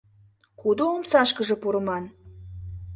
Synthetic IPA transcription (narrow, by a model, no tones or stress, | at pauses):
kud̪oomsɑʃkə̆ʒɤ̆puɾə̆mɑn